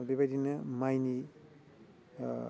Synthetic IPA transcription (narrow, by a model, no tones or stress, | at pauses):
bebajdinɯmajni